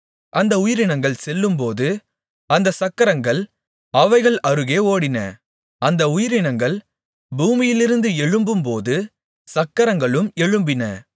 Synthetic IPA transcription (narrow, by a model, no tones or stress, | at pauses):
ʔɐnd̪ɐʊjɪɾɪnɐŋɡɐɭsɛlːɯmpoːðɯ | ɐnd̪ɐsɐkːɐɾɐŋɡɐɭ | ɐʋɐɪɣɐɭɐɾɯɣeːoːɽɪnɐ̰ | ɐnd̪ɐʊjɪɾɪnɐŋɡɐɭ | buːmɪjɪlɪɾɯnd̪ɯɛɻɯmbɯmpoːðɯ | sɐkːɐɾɐŋɡɐɭɯmɛɻɯmbɪnɐ̰